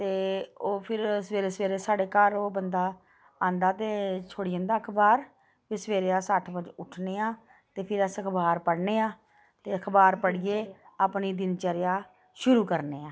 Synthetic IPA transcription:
t̪eːoːpʰɪɾsʋeːɾeːsʋeːɾeːsaːɽeːkaːɾoːbənd̪aː | ãːnd̪aːt̪eːt͡ʃʰoːɽiə̃ːnd̪aːəkʰbaːɾ | bɪsəʋeːɾeːaːsəʈʰʋəd͡ʒʊʈʰneːaː | t̪eːpʰɪɾəsəkʰbaːɾpəɽneːaː | t̪eːəkʰbaːɾpəɽijeː | aːpniːd̪ɪnt͡ʃəɾɪjaː | ʃʊɾuːkəɾneːaː

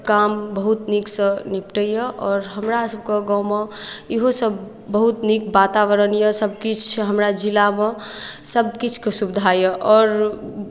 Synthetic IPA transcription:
kambəɦut̪niksə̃nipʈəjəʔɔːɾɦəmɾasəb̚keɡameiɦosəbː | əɦut̪nikbat̪awəɾənjəsəb̚kit͡ʃʰɦəmɾad͡ʒilamesəbkit͡ʃʰkesubd̪ʱajəʔɔːɾ

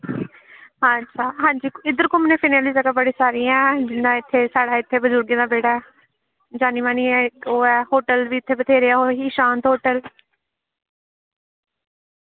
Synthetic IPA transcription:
ɦatːʃʰaːɦãːɲd͡ʒiːɪd̪əɾkoːmɛnẽːpʰiːnaːlizəkabəɽiːsaːɾĩːɛ̃ːd͡ʒɪnãːɪt̪ʰːeːsaːɽaːɪt̪ʰːeːbəd͡ʒʊɾɡẽd̪aːbeːɽaːɛː | d͡ʒaːniːʋaːniːɛːoːɛːhoːʈəlʋiːɪt̪ʰːeːbət̪ʰeːɾeːaːoːɦiːʃãːnt̪ɦoːʈəl

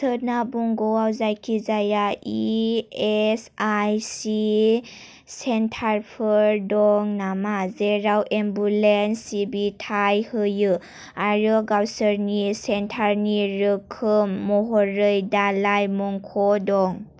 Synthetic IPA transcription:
sənabɔŋɡɔwawzajkʰizajaiesajsi | sentʰaɾpʰɯɾdɔŋnamazeɾawʔembulensibitʰajhɯjɯ | aɾɯɡawsəɾnisentʰaɾniɾɯkʰɯmːɔɦɔɾɯjdalajmɔŋkʰɔdɔŋ

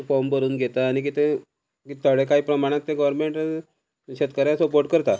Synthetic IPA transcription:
fɔmbəɾuːnɡʱet̪aːñik̬it̪ʰe | kit̪ʰəɽekaɦiːpɾəmaɽ̃ãt̪ːẽɡəʋəɾmeɳʈ | ɕet̪̚kaɾjãsəpoɾʈkəɾt̪a

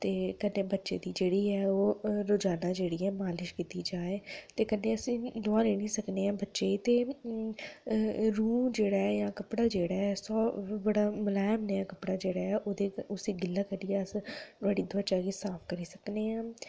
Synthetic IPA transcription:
t̪eːkənːeːbətːʃḛːd̪iːd͡ʒeːɽiːɛːoːɾoːd͡ʒaːnaːd͡ʒeːɽiːɛːmaːlɪʃkiːt̪iːd͡ʒaːeːt̪eːkənːeːəsĩːd̪ʊaːleːnĩːsəkneːãːbətːʃeːiːt̪eː | ɾuːmd͡ʒeːɽaːɛːjãːkəpɽaːd͡ʒeːɽaːɛːsɔːbəɽaːməlaːjɪmnəaːkəpɽaːd͡ʒeːɽaːɛːʔoːd̪eːʊsiːɡɪlːaːkəɾiːɛəsaːɽiːd̪ʊʋət͡ʃaːɡeːsaːpʰkəɾiːsəkneːãː

